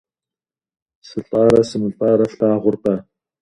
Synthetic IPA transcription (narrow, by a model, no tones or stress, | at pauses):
sɨɬʼɑːɾɐsɨmɨɬʼɑːɾɐfɬaːʁʊrqa